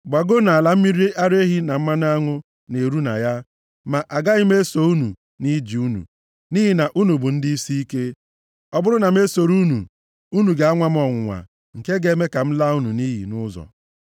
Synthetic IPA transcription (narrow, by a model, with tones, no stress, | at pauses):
ɡ͡ba˨ɡo˦na˨a˨la˨m̩˦mi˦ɾi˦ʔa˦ɾe˦ɦi˦na˨m̩˦ma˦n˦a˦ŋʊ˦ | ne˨ɾu˦na̰˨ja˦ | ma˨ʔa˨ɡa˦ɣi˦m̩e˦so˨u˦nṵ˨ | ni˦d͡ʒi˨u˦nṵ˨ | ni˦ɦi˨na˨ʔu˦nu˨bʊ˨n̩˦di˦i˦si˦i˦ke˦ | ɔ˦bʊ˦ɾʊ˦na˨m̩˦e˦so˨ɾu˦nṵ˨ | u˦nu˨ɡa˨a˦ŋʷa˦m˦ɔ˨ŋʷʊ˨ŋʷa̰˨ | ŋ̩˨ke˦ɡe˨˦me˦ka˨m̩˦la˦u˦nu˨ni˦ɦḭ˨nʊ˦zɔ̰˨